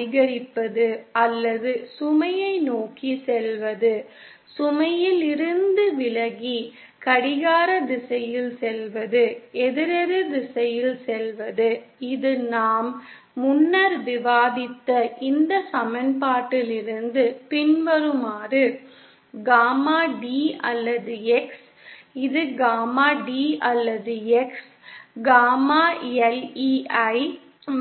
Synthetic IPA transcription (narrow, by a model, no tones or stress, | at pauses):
ɪɣɐɾɪpːɐðɯɐlːɐðɯsʊmɐjɐɪnoːkisɛlʋɐðɯ | sʊmɐjɪlɪɾɯnd̪ɯʋɪlɐɣi | kɐɽɪɣaːɾɐd̪ɪsɐjɪlsɛlʋɐðɯɛðɪɾɛɾɯd̪ɪsɐjɪlsɛlʋɐðɯɪðɯnaːmː | ʊnːɐɾʋɪʋaːðɪt̪ːɐʔɪnd̪ɐsɐmɐnpaːʈːɪlɪɾɯnd̪ɯpɪɳʋɐɾɯmaːrɯ | ɡaːmaːɖiːɐlːɐðɯɛks | ɪðɯɡaːmaːɖiːɐlːɐðɯɛks | ɡaːmaːɛliːɐɪ